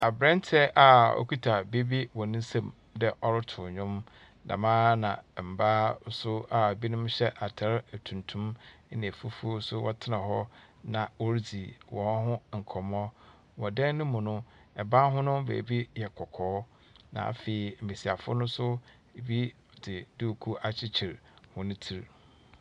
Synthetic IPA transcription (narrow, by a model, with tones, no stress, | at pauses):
a˨bɾɛ̃˦n˦tʰɛ˦ʔa˨o̰˦kʰi˦tʰa˨be˦bi˦wɔ˨nɪ̃˦sã˦˨m | dɛ˦ʔɔ˦ɾɪ˦tʰʊ˨ɲᶣʊ̃˦m | nã̰˨mãː˦nã˨m̩˨baː˦sʊ˦a˨bi˦nʊ̃˦mɕɛ˦ʔa˨tʰa˦ɾtʰũ˨ntʰũ˦m˦nɪ̃˨fu˦fu˦sʊ˦wɔ˦tʰɪ˦nã˨ɦɔ˦ | nã˨o˦ɾd͡zi˨wɔ̃˨n˦ɦʊ̃˦ŋ̩˨kʰɔ˨mɔ̃˦ | wɔ˨dɛ̃˦n˦nʊ̃˦mũ˨nʊ̃˦ | ɛ˨bã˦nɦʊ̃˦nʊ̃˦bḛ˨bi˦jɛ˨kʰɔ˨kʰɔː˨˦ | nã̰˨a̰˨fe˨i˨m̩˨mẽ˨si˨a˨fʊ̰˦nʊ̃˦sʊ˦ | e˨bi˦ | dɪ˨du˦˨kʰu˦ʔa˦t͡ɕʰi˦t͡ɕʰi˨ɾhʊ̃˦nʊ̃˦tʰi˨ɾ